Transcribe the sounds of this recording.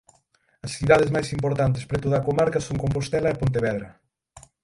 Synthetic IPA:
ɐsθiðað̞ezmajsimpoɾt̪ant̪̬espɾet̪oðɐːkomaɾkɐsoŋkomp̬ost̪ɛlɐepont̪̬eβɛðɾɐ

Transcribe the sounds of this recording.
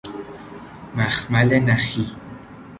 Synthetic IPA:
maxmalenaxi

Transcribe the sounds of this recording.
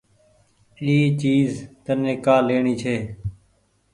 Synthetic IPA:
iːt͡ʃiːzt̪ənɪkaːleːɳiːt͡ʃʰeː

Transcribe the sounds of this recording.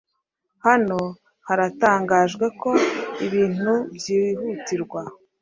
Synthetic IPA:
hano̞ | haɾataːŋɡaːʒɡwe̞ko̞iβiːn̥ubjiːiɦutiɾɡwa

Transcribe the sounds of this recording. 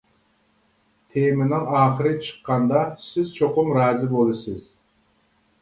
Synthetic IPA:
t̪ʰemɪnɪŋɑːχəɾɪt͡ʃʰə̥qːɑnd̪ɑsɪz̥t͡ʃʰoqʊmɾɑːzɪbolˠɨsɪz̥

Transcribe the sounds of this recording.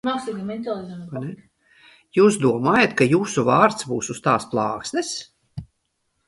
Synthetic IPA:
maksiɡimɛnt̪alˠizanɛ | juːsd̪uɔmaːjat̪kajuːsuvɑːɾt̪sbuːsust̪ɑːsplˠɑːksnɛs

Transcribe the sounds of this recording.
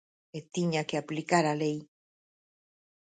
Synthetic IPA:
et̪iɲakeaplikaɾalej

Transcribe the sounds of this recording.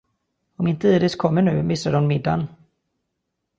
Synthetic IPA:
ɔmɪnt̪əiːd̪ɪskʰɔmːəɳʉ̟ːmɪsːaɖɔnmɪd̪ːa̰n

